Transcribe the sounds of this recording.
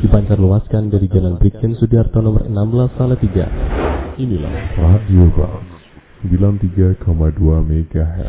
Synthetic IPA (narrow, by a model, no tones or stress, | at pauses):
d̥ipaɲt͡ʃarluaskandaɾiɡalanbɾikɪnsudiart̪awnɔməɾənambəlasalat̪iɡa̰ʔinila̰hradioba̰s | smbilant̪iɡakɔmaduameɡaɦɛ̰r